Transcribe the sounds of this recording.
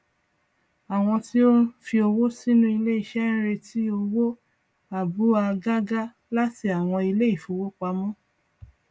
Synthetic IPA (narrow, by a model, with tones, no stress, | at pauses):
a˨w̃ɔ̃˧ti˦o˦n̩˦fi˧o˧wo˦si˦nũ˦i˧le˦i˦˨ʃɛ˦ñ̩˦ɾe˧ti˦o˧wo˦ | a˨bu˨˦a˧ɡa˦ɡa˦ | la˦ti˧a˨w̃ɔ̃˧i˧le˦i˦˨fu˨˦wo˦k͡pa˧mɔ̃˦